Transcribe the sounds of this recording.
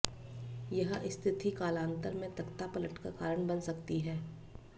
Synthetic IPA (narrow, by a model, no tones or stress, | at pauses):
jɐɦɪst̪ʰɪt̪ʰikaːlãːnt̪əɾmẽt̪ɐkt̪apɐləʈka̰kaːɾəɳ̃bɐnsɐkt̪iɦɛː